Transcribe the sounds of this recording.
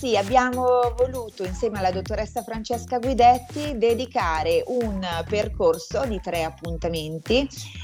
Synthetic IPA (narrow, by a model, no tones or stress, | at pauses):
siabːjaːmovoluːt̪oinsjɛːmealːad̪ot̪ːoɾɛsːafɾant͡ʃɛskaɡwid̪ɛt̪ːid̪ed̪ikaːɾeʔunperkorsod̪it̪ɾɛapːunt̪ament̪i